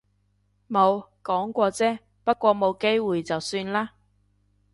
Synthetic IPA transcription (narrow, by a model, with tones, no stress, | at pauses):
mo˨˧wkɔː˨˥ŋkʷɔː˧t͡sɛː˥ | pɐ˥t̚kʷɔː˧mo˨˧wke˥jwuː˨jt͡sɐ˨wsyː˧nlaː˥